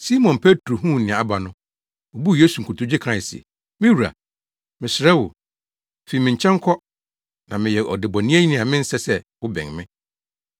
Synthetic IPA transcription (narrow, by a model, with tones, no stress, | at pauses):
si˦mɔ̃˨npʰe˦tɾo˨ɦũ˦˨nɪ̃˨a˨a˨ba˨nʊ̃˦ | ɔ˨bu˦jeː˦su˨ŋ̩˨kʰu˨tʰʊ˨˦d͡ʑɪ˦kʰɾa˦ɪ˨s | mɪ̃˦wu˨ɾa̰˨ | mɪ̃˨sɪ˨ɾɛ˦wʊ̰˨ | fe˨mɪ̃˨ɲ̩˨t͡ɕʰɛ̃˦ŋ˦kʰɔ˦ | nã˨mɪ̃˨jɛ˨ʔɔ˨dɪ˨bɔ˨nĩ˦æ˦ɲi˦nĩ˨a˨mɪ̃˦n̩˦sɛ˦sɛ˦ | wʊ˦bɛ̰̃˨ŋmɪ̃˦